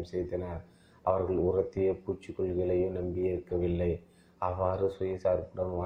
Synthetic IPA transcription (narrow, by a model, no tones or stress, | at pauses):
sɛjðɐnaɾ | ʔɐʋɐɾɣɐɭʊrɐt̪ːɪjɐpuːt͡ʃːɪkːɔɭɣɐlɐjɯmnɐmbɪjɐɾɯkːɐʋɪlːɐɪ | ʔɐʋːaːɾɯsɔjɐsaːɾpɐɽɐmaː